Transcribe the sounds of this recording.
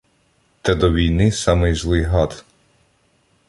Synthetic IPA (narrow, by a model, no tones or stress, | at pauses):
t̪ɛd̪ɔʋʲijnɪsɑmɪjzlˠɪjɦɑt̪